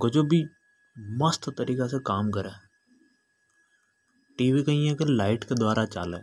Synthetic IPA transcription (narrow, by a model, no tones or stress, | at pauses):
ɡod͡ʒobʱi | mɐst̪t̪ɐɾiːkesekaːmkɐɾẽː | ʈiːʋikɐĩẽkɐɾlaːɪʈked̪waːɾat͡ʃa̰ːleː